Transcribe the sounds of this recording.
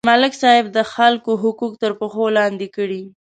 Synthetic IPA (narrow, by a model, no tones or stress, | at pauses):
malɪksɑɪb̚d̪əxalkoɦʊkuk̚t̪əɾpəxolɑnd̪ekəɽi